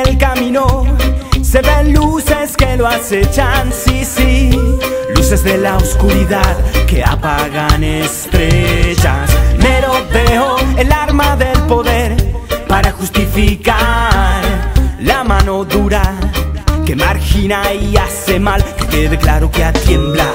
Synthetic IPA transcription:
elkamĩno̞ | se̞βe̞nluse̞ske̞loase̞t͡ʃansisi | luse̞zðe̞laoskuɾiðaðke̞a̰paɣanest̪ɾeʝasmeɾo̞beoelaɾmaðe̞lpo̞ðe̞ɾpaɾaxust̪ifikaɾlamano̞ðuɾa | ke̞maɾxinaiase̞malkkeðeklaɾo̞keat̪je̞mbla

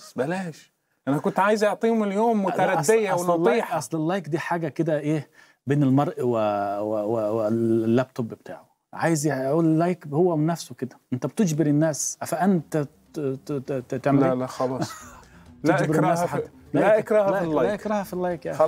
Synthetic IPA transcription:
bælæːʃ | ʔænhækʊnt̪ʕaːjɪzʔɑʕt̪ˤiːmɪljoːmːʊæɾˤɑsːejæwnɑtːˤiːħɑsˤlɪlːɑjkd̪iːħaːɡæked̪æʔeː | beːnelmɑɾˤʔwewwelːæb̚t̪ʰobbet̪ʰa̰ːʕo | ʕaːjɪzʔuːllːɑjkhowːænːæfsowked̪æʔɪnt̪æb̚t̪ed͡ʒbeɾɪnːæːsʔæfæʔænt̪æ | t̪eʕmllæxɑlɑːsˤlʔd͡ʒbeɾɾnːæːsħalæʔæʔɪkɾˤɑhlælːɑæʔekɾˤɑhæfilːɑjkja

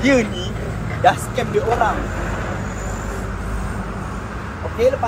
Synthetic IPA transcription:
iəni | daskɛmdiʔoɾaŋ | okeləpa

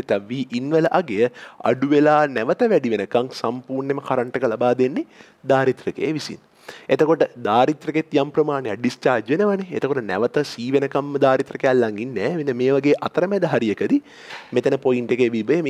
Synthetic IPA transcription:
t̪aʋːiːʔinʋələʔaɡejəa̰ɖuʋelaːnæʋət̪əʋæɖiʋenəkaŋsampuːrneməkaɾəɳʈəkəlabaːd̪enːe | d̪aːɾit̪rəkḛːʋisḭn | et̪əkoʈəd̪aːɾit̪ɾɐket̪jampɾɐmaːnejaɖist͡ʃaːɾd͡ʒʋenəʋəneḛt̪əkoʈənæ̰ʋət̪əsiːʋenəkamːd̪aːɾit̪rəkejalːaŋinːɛːʋinːəmeːʋaɡeːʔat̪əɾəmæd̪əɦaɾijekəd̪i | met̪ənəpojiɳʈekeʋibə

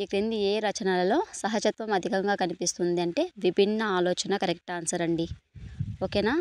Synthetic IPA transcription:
ikɾind̪ieːɾɐt͡ʃɐnalɐlo̞ːsɐɦɐt͡ʃɐt̪ʋɐmɐd̪ʱikɐŋɡaːkɐnipist̪und̪iɐɳʈe̞ːʋibʱinːɐaːloːt͡ʃɐnɐkɐɾek̚ʈaːnsɐɾɐɳɖi | okeːnaː

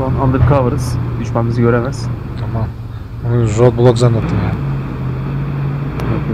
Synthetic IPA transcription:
uanand̪ɯɾkʰavɯɾɯz̥d̪yʃmamizɯɟø̞ɾemæz̥t̪ʰamam | unuzolˠblˠokzanːat̪ʰːɯmjaːnɪ

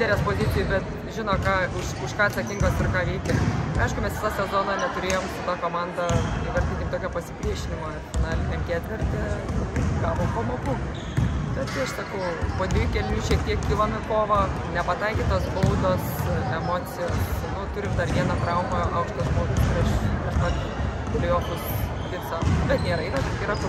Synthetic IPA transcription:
d̪ʲɛlʲɛːspoːzʲɪt͡s̪ʲɪjɛbʲɛt̪ | ʒʲɪnoːkɑːʊʃʊʃkɑːɐt̪sɐkʲɪŋɡoːspʲɪrkɑːʋʲɛɪkʲɛɐɪʃkʊmʲɛsʲɪt̪ɑːsʲɛzoːnɐnʲɛt̪ʊɾʲeːjoːmʃɪt̪ɑːkoːmɑːnd̪ɐɪʋɐrʲt̪ʲɪnt̪ʲɪmt̪oːkʲɛpɐsʲɪpʲɾʲiɛʃʲɪnʲɪmɐːfnɑːlʲɪnʲɛmkʲæːt̪ʲʋʲɪrʲt̪ʲɛ | ɡɑːʋoːmpɐmoːkʊ | b̪ʲɛt̪tʲɪɐʃsɐkɐʊpoːd̪ʋʲɪkʲɛlʲuʃʲiɛk̚t̪ʲiɛkkʲiːlˠɐmɪkoːʋɐ | nʲɛpɐt̪ɐɪkʲɪːt̪oːsbɐʊd̪oːsɛmoːt͡sʲɪjoːsnʊt̪ʊɾʲɪmd̪ɐrʋʲiɛnɐt̪ɾɐʊmɐɐʊkʃt̪ɐʒmoːɡʲuskʊɾɐʃkɐʃmɐt̪ | t̪lʲejoːt̪ʊsmɐt̪ʲiɪt̪ʲsɑːkobʲɛt̪nʲeːɾɐɪnɐtʲɪiːɾɐt̪ʊ

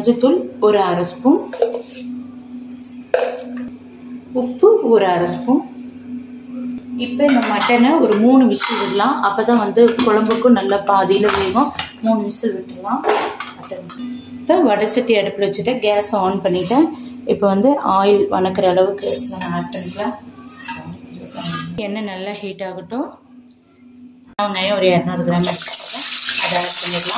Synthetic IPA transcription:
ɐd͡ʒɯt̪ːʊlɔɾɯɐɾɐspɯm | ʊpːɯɔɾɯɐɾɐspɯm | ɪpːɐɪnd̪ɐmɐʈːɐnɐɔɾɯmuːnɯʋɪsɐlʋɪɾɐlãːʔɐpːɐːt̪ãːʋɐnd̪ɯkɔɻɐmbɯkːɯ̃nɐlːɐpaːðɪjɪlɐʋʊjɣõmuːnɯʋɪsɪlʋɪʈːɯlãːɐpɽɪn | pːɐʋɐɽɐsɪʈːiɐɽɯpːɐɽɯʋɐt͡ʃːɯʈːɯɡaːsoːnpɐɳːɪʈːɐ̃ɪpːoʋɐnd̪ɯʔaːjɪlʋɐ̰nɐkːɪɾɐːɭɐʋɯkːɯɛnɐmɐʈːɐnla | aɐɪɾɯkːaːɐɛnːɐnɐlːahiːʈːaːɣɐʈːõ | ɐʋɐŋɡɐjõːɔɾɯeɾɐnuːɾɯɡɪɾaːmɪɾɯkːaːɐlɐɐðaːðɐpɐɳːɪɾɐlãː

